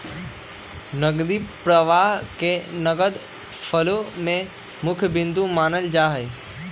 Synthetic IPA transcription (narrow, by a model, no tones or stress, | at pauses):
nəɡd̪ipɾəʋaɦkenəɡəd̪ | pʰəlomẽ | mʊkʰjəbɪnd̪ũmaːnəld͡ʒaːɦəj